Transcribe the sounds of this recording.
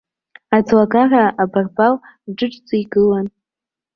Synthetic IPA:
ad͡zlaɡaraʔabarbal | ʈ͡ʂɨʈ͡ʂʼt͡sʼiiɡɨlan

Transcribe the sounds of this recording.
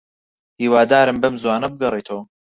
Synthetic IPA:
hiːwaːd̪aːɾɨmbɐmzwaːnɐbɨɡɐret̪ʰow

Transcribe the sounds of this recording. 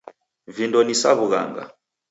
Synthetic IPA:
vindɔnisaβuɣa̰ŋɡa̰

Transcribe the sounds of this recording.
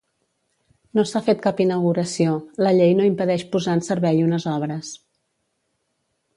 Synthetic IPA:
nosafet̪kapinəwɣuɾəsioləʎejnoimpəðɛʃpuzaənsəɾβɛʎunəzɔβ̞ɾəs

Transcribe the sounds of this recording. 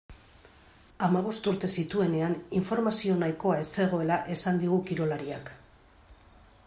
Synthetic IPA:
amaβ̞o̞st̪uɾt̪e̞sit̪ue̞ne̞aniɱfo̞ɾmasio̞najko̞ae̞se̞ɣ̞o̞e̞laʔe̞sand̪iɣ̞ukiɾo̞laɾiak

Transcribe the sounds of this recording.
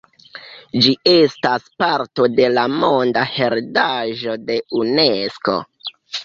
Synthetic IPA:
d͡ʒie̞staspaɾto̞de̞lamo̞ndahe̞ɾdaʒo̞de̞une̞sko̞̰

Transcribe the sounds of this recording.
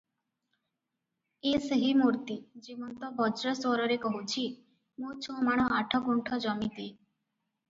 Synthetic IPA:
eseɦimuɾt̪id͡ʒibɔnt̪ɔbɔd͡ʒɾɔswɔɾɔɾekɔɦut͡ʃʰi | mut͡ʃʰɔ̃maɽ̃ɔaʈʰɔɡuɳʈʰɔd͡ʒɔmit̪e

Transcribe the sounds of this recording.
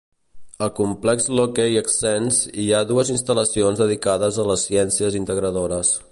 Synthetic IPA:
əlkumplɛkzlokeiəksɛnziaðuəzinst̪ələsionzðəðikaðəzələsːiɛnsiəzint̪əɣɾəðoɾəs

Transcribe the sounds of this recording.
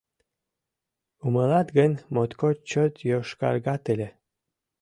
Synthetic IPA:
uməlɑt̪ɡənmot̪kot͡ɕot̪joʃkɑ̰ɾɡɑt̪əlʲe

